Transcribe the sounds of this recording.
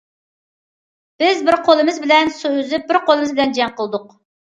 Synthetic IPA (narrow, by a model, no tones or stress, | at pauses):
b̥ɪzbɪɾqʰolˠɨmɨzbɪlɛnsøøzɪp̚bɪɾqolˠɨmɨzbɪlɛnd͡ʒɛŋqʰəlˠɨd̪ʊq̚